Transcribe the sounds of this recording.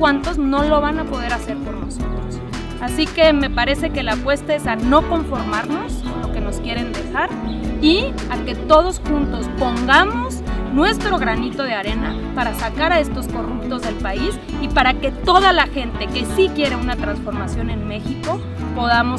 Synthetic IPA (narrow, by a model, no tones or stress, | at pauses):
kwant̪o̞zno̞lo̞β̞anapo̞ð̞e̞ɾase̞ɾpo̞ɾno̞so̞t̪ɾos | asike̞me̞paɾe̞se̞ke̞lapwe̞st̪ae̞sano̞ko̞ɱfo̞ɾmaɾno̞slo̞ke̞no̞skje̞ɾe̞nd̪e̞xaɾi | ake̞t̪o̞ð̞o̞sxũnt̪o̞spo̞ŋɡamo̞znwe̞st̪ɾo̞ɣ̞ɾanit̪o̞ð̞eaɾe̞na | paɾasakaɾae̞st̪o̞sko̞rupt̪o̞zðe̞lpais | ipaɾake̞t̪o̞ðalaxe̞nt̪e̞ke̞sikje̞ɾe̞unat̪ɾansfo̞ɾmasjo̞ne̞nme̞xiko̞ | po̞ðamo̞s